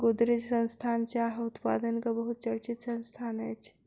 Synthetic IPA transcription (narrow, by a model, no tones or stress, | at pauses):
ɡod̪ɾed͡ʒsɐnst̪ʰant͡ʃaɦut̪pa̰ːd̪ənkɐbəɦut̪̚t͡ʃɐɽt͡ʃit̪sɐ̃nst̪ʰaːnat͡ʃʰ